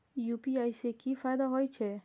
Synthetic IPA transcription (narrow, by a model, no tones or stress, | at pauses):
jupiajsekifʰajd̪aɦɔjt͡ʃʰe